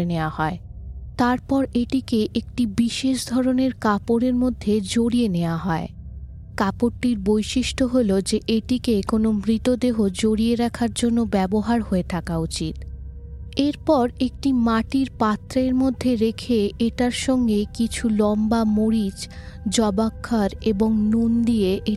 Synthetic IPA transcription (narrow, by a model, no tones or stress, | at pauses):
eneoahɔet̪aɾpɔɾeʈikeʔek̚ʈibiʃeʃd̪ʱɔɾoneɾkapoɾeɾmod̪ʱːed͡ʑoɽieneoaɦɔe | kapoʈːiɾbojʃiʃʈoɦolod͡ʑeʔeʈikekonomɾit̪od̪eɦod͡ʑoɽieɾakʰaɾd͡ʑonːobɛboɦaɾɦoet̪ʰakaut͡ɕit̪ | eɾpɔɾek̚ʈimaʈiɾpat̪ːɾaeɾmod̪ʱːeɾekʰeeʈaɾʃɔŋɡekit͡ɕʰulɔmbamoɾid͡ʑ | d͡ʑɔbakʰːaɾeboŋnund̪ieʔe